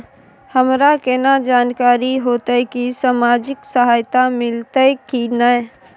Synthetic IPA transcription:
həmɾakenad͡ʒaːnkaːɾiɦoːt̪əkisaːmaːd͡ʒɪksəɦaːjt̪amɪlt̪əkina

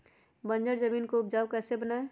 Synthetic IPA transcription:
bənd͡ʒəɾzəmiːnkoʊpd͡ʒaːʊkɛːsebənaːe

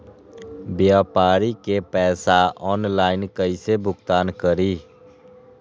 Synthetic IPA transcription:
bjaːpaːɾikepɛːsaɔːnlaːɪnkəɪsebʱʊɡt̪aːnkəɾiː

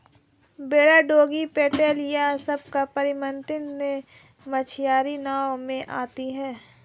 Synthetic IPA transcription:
beːɽaɖoːɡipeːʈeːljasɐb̚kapɐɾɪmə̃nt̪ɪnnẽ | mɐt͡ʃʰɪjaːɾinaːwmẽʔaːt̪iɦɛː

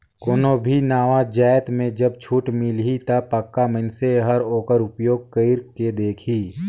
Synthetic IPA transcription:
koːnobʱinaːʋad͡ʒaːjt̪mẽd͡ʒɐb̚t͡ʃʰuːʈmɪlɦit̪ɐpəkːamənseɦəɾoːkəɾʊpjoːɡ̚kəɪɾked̪eːkʰiː

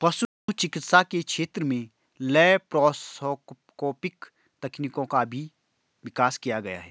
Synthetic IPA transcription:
pɐʃ | t͡ʃɪkɪt̪sakekʃeːt̪ɾəmẽ | lɛːpɾɔːs | koːpɪk | t̪ɐknikõkabʱi | ʋɪkaːskijaɡɐja̰ɦɛː

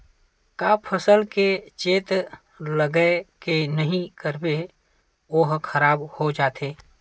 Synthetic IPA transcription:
kaːpʰəsəlket͡ʃeːt̪ | ləɡəkenəɦĩkəɾbe | oɦkʰəɾaːbhod͡ʒaːt̪ʰeː

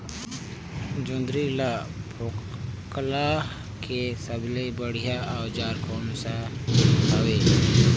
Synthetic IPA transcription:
d͡ʒõnd̪ɾilapʰokla | kesəblebəɽijaɔːd͡ʒaːɾkɔːnsaɦəʋeː

